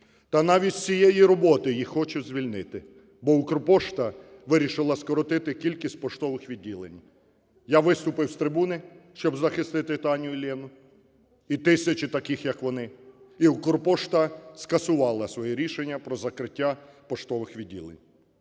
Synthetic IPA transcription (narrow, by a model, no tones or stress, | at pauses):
t̪ɐnɑʋʲitʲt͡sʲijejiɾɔbɔt̪ɪjixːɔt͡ʃʊzʲʋʲilʲnɪt̪ɪ | bɔʊkɾpɔʃt̪ɐʋɪɾʲiʃɪlˠɐskɔɾɔt̪ɪt̪ɪkʲilʲkʲisʲt̚ʲpɔʃt̪ɔʋɪxʋʲidʲːilˠḛnʲ | jaʋɪst̪ʊpɪwst̪ɾɪbunɪʃt͡ʃɔbzɐxɪst̪ɪt̪ɪt̪ɑnʲijʊlʲɛnʊ | it̪ɪsʲɐt͡ʃɪt̪ɐkɪxjɐkʋɔnɪ | iʊkrpɔʃt̪ɐskɐsʊʋɑlˠɐsʋɔjiɾʲiʃenʲːɐpɾɔzɐkɾɪtʲːa | pɔʃt̪ɔʋɪxʋʲidʲːḭlˠḛnʲ